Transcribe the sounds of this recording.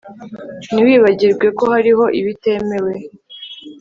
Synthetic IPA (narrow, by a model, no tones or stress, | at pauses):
niwiːβaɟiɾɡwe̞ko̞haɾiɦo̞ʔiβite̞me̞we̞